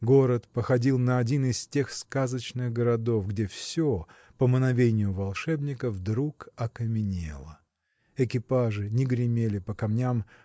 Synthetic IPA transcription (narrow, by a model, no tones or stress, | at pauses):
ɡo̞ɾət̪pəxɐdʲilˠnəɐdʲinɪstʲe̞xskazət͡ɕnɨɣɡəɾɐd̪o̞fɡdʲe̞fsʲo | pəmənɐvʲenʲɪjʊvɐlˠʂɛbnʲɪkəvd̪ɾukɐkəmʲɪnʲḛlˠə | ɪkʲɪpaʐɨnʲɪɡɾʲɪmʲelʲɪpəkɐmnʲam